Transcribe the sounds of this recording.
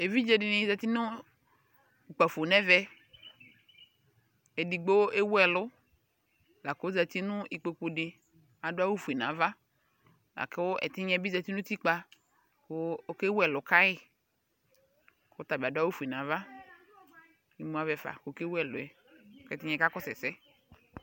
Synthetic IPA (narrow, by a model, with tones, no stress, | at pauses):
e˨vi˦d͡ʒe˦dɪ˦nɪ̃˨˦za˨ti˦nʊ˦ | u˨k͡pa˨fo˨nɛ˦vɛ˦ | ɛ˨di˨ɡ͡bo˦e˦wɛ˨lʊ˦ | la˨kːza˨ti˦nʊ˦i˨k͡po˨k͡pu˨dɪ˦ | a˨dʊ˦a˦wu˦fu˨i˨nã˨˦va˦ | la̰˨kɪ˦wʊ˦ʔɛ̰˨tɪ˦ɲɛ˦bi˦za˨ti˦nʊ̃˦ti˦k͡pa˦ | kʊ˦ke˦wɛ˨lʊ˨ka˦ɪ˦ | kʊ˦ta˨ba˨dʊ˦a˦wu˦fu˨i˨nã˨˦va˦ | i˨˦mu˦a˦vɛ˨fa̰˨ko˨˦ke˦wɛ˨lʊ˨ɛ˨˦ | kɛ˦tɪ˦ɲɛ̃˦ka˦kɔ˦sɛ˨sɛ˦